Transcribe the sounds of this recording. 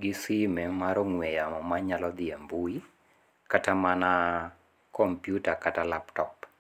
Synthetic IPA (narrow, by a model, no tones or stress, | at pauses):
ɡɪsɪmɛmaɾɔŋwɛjamɔmaɲalɔd̪ɪembui | katamana | kɔmpjutakatalaptɔp